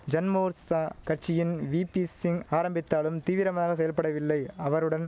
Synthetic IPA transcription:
d͡ʒɐnmoːɾsaːkɐʈt͡ʃɪjɪnʋiːpisɪŋaːɾɐmbɪt̪ːaːlɯmt̪iːʋɪɾɐmaːɣɐs̬ɛjɐlpɐɽɐʋɪlːɐɪɐʋɐɾɯɽɐn

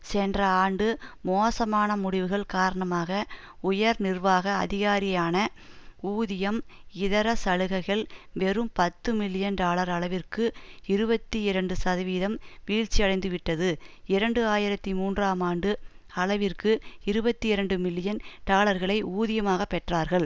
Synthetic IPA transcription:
sɛndrɐaːɳɖɯmoːsɐmaːnɐmʊɽɪʋɯɣɐɭkaːɾɐɳɐmaːɣɐ | ʊjɐɾnɪrʋaːɣɐ̰ːðɪɣaːɾɪjaːnɐ | uːðɪjɐmɪðɐɾɐsɐɻɯɣɐɪɣɐɭʋɛɾɯmpɐt̪ːɯmɪlːɪjɐnʈaːɭɐɾɐɭɐʋɪrkɯɪɾɯbɐt̪ːiɪɾɐɳɖɯsɐðɐʋiːðɐmʋiːɻt͡ʃːijɐɽɐɪnd̪ɯʋɪʈːɐðɯɪɾɐɳɖɯaːjɪɾɐt̪ːimuːndraːmaːɳɖɯ | ɐɭɐʋɪrkɯɪɾɯbɐt̪ːiɪɾɐɳɖɯmɪlːɪjɐnʈaːɭɐɾɣɐɭɐɪuːðɪjɐmaːɣɐpːɛʈraːɾɣɐɭ

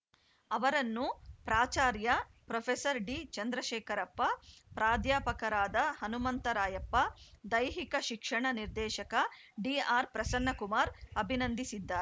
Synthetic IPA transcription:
ɐʋɐɾɐnːupɾaːt͡ʃaːɾjɐ | pɾɐpʰesɐɾɖiːt͡ʃɐnd̪ɾɐʃɛːkɐɾɐpːɐpɾaːd̪jaːpɐkɐɾaːd̪ɐhɐnumɐnt̪ɐɾaːjɐpːɐd̪ɐjɦikɐʃikʂɐɳɐniɾd̪ɛːʃɐkɐ | ɖiːaːɾpɾɐsɐnːɐkumaːɾɐbʱinɐnd̪isid̪ːaːɾ

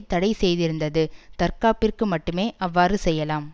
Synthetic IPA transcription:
t̪ɐɽɐɪsɛjðɪɾɯnd̪ɐðɯt̪ɐɾkaːpːɪrkɯmɐʈːɯmeːʔɐʋːaːɾɯsɛjːɐlaːm

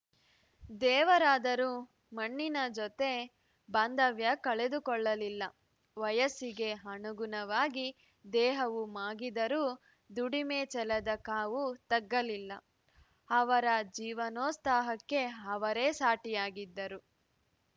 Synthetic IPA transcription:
d̪ɛːʋɐɾaːd̪ɐɾu | mɐɳːinɐd͡ʒɔt̪e̞ | baːnd̪ɐʋjɐkɐɭe̞d̪ukɔɭːɐlilːɐ | ʋɐjɐsiɡe̞ɦɐɳuɡunɐʋaːɡi | d̪ɛːɦɐʋumaːɡid̪ɐɾuː | d̪uɽimeːt͡ʃɛlɐd̪ɐkaːʋut̪ɐɡːɐlilːɐ̰ | ɐʋɐɾɐd͡ʒiːʋɐnoːst̪aːɦɐkːe̞ɐʋɐɾeːsaːʈijaːɡid̪ːɐɾu

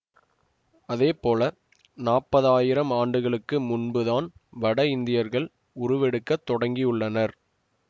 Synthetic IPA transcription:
ɐðeːpoːlɐ | naːpːɐðaːjɪɾɐmaːɳɖɯɣɐɭɯkːɯmʊnbɯðaːnʋɐɽɐɪnd̪ɪjɐɾɣɐɭ | ʊɾʊʋɛɽɯkːɐt̪ːɔɽɐŋɡɪjʊɭːɐnɐɾ

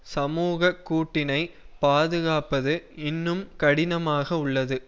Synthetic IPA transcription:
sɐmuːɣɐkːuːʈːɪnɐɪpaːðɯɣaːpɐðɯɪnːɯmkɐɽɪnɐmaːɣɐʊɭːɐðɯ

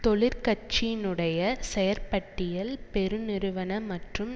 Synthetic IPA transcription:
t̪ɔɭɪɾkɐt͡ʃːɪɪnɯɽɐjɐsɛjɐɾpɐʈːɪjɐlpɛɾɯnɪɾɯʋɐnɐmɐʈrɯm

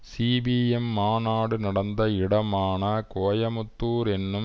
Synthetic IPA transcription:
siːbiːjɛmːaːnaːɽɯnɐɽɐnd̪ɐɪɽɐmaːnɐkoːjɐmʊtt̪ːuːɾɛnːɯm

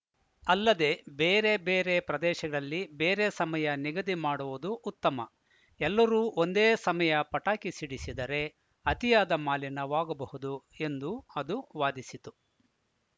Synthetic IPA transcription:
ɐlːɐd̪e̞beːɾe̞beːɾe̞pɾɐd̪ɛːʃɐɡɐɭɐlːibeːɾe̞sɐmɐjɐniɡɐd̪imaːɽuʋud̪uːt̪ːɐmɐ | ɛlːɐɾuːʔo̞nd̪eːsɐmɐjɐpɐʈaːkisiɽisid̪ɐɾe̞ | ɐt̪ijaːd̪ɐmaːlinɐʋaːɡɐbɐhud̪ue̞nd̪uɐd̪uʋaːd̪isit̪u

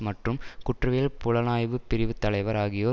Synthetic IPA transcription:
mɐʈrɯmkʊʈrɐʋeːlpʊɻɐnaːjʋɯpɪɾɪʋɯt̪ːɐlɐɪʋɐɾaːɣɪjoː

